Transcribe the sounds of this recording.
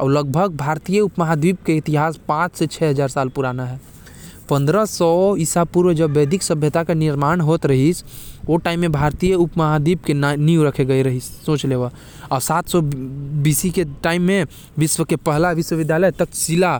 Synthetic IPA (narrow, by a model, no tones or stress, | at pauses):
ɔ̰ːɾləɡ̚bʱəɡ̚bʱaːɾt̪ijəʊpməɦad̪iːb̚keɪt̪ɪɦaːspãːt͡ʃset͡ʃʰɛɦɐzaːɾsaːlpʊɾaːnaɦɛː | pə̃nd̪ɾəsɔɪsapuɾwəd͡ʒɐbːeːd̪ʱɪksəbʱjət̪akenɪɾmaːñɦoːt̪ɾɐɦisoʈaːɪmːẽbʱaːɾt̪ijəʊpməɦad̪iːbkenijuɾɐkʰeɡəeɾɐɦissõːt͡ʃleːʋa | ɔːɾsaːt̪ʰsɔbiːsikeʈaːɪmːẽ | ʋɪswəkepəɦlaʋɪswəʋɪd̪ʱjaːləjt̪əksɪla